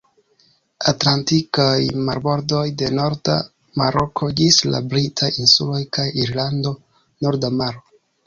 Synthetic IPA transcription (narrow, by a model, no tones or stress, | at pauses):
atlantikajmaɾbo̞ɾdo̞jde̞no̞ɾda̰ | maɾʔokʰo̞d͡ʒisla̰bɾitʰajinsulo̞jkʰajiɾlando̞ | no̞ɾdamaɾo